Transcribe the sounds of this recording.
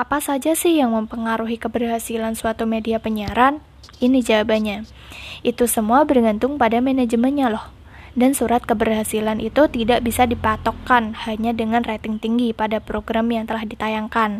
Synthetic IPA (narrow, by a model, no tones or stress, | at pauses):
ʔapasad͡ʒasɪhjaŋməmpəŋaɾuɦikəbərɦasilansuat̪umediapəɲaɾan | inid͡ʒawabaɲa | ʔit̪usəmuabərɡant̪ʊŋpadamened͡ʒəmənɲalɔh | dansuɾat̪̚kəbərhasilanʔit̪ut̪idaʔbisadipat̪okːanhaɲadəŋanret̪ɪŋt̪iŋɡipadapɾoɡɾamjaŋt̪əlahdit̪ajaŋkan